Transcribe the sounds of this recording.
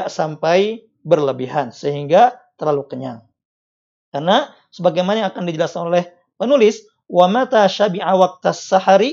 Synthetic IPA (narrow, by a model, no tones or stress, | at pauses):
aʔsampaj | bərləbiɦansəɦiŋɡat̪ərlalukəɲa̰ŋ | karna | səbaɡajmanaakandid͡ʒəlaskanolɛh | pənulɪs | wamat̪aʃabiʕawak̚t̪asːaħaɾi